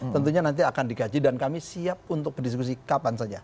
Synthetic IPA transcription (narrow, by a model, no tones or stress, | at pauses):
t̪ənt̪̬uɲanant̪̬iakandiɡad͡ʒidankamisiap̚unt̪ʊk̚bərdis̬kus̬ikapansad͡ʒa